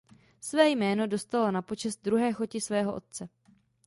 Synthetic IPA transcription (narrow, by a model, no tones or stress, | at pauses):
svɛːjmɛːno̞do̞st̪alo̞napo̞t͡ʃɛst̪̚d̪ɾuɦɛːxo̞cɪsvɛːɦo̞ʔo̞̰t̪̚t͡sɛ